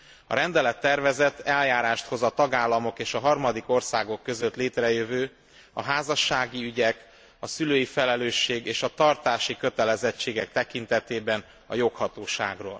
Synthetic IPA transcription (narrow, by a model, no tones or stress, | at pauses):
ɒ̰ɾɛnd̪ɛlɛt̪ːɛrvɛzɛt̪ʰːɛljaːɾaːʃt̪ho̞zɒt̪ɒɡaːlːɒmo̞keːʃɒɦɒrmɒd̪iko̞rsaːɡo̞kːø̞zøt̪leːt̪rɛjøvøː | ɒɦaːzɒʃːaːɡiyɟɛk | ɒsyløːjifɛlɛløːʃːeːɡeːʃɒt̪ɒrt̪aːʃikøt̪ɛlɛzɛt͡ʃːeːɡɛk̚t̪ɛkint̪ɛt̪eːbɛn | ɒ̰jo̞khɒt̪oːʃa̰ːɡro̰ːl